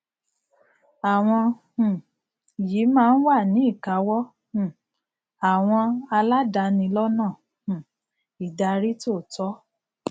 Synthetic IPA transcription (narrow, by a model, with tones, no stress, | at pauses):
a˨w̃ɔ̃˧ | hũ˨ | ji˨˦mãː˦˧n̩˦wa˦˨nĩ˨˦i˦˨ka˨˦wɔ̃˦˨ | a˨w̃ɔ̃˧a˧la˦da˧nĩ˧lɔ˦nãː˦˨ | hũ˨ | i˨da˧ɾi˦to˦˨tɔ˨˦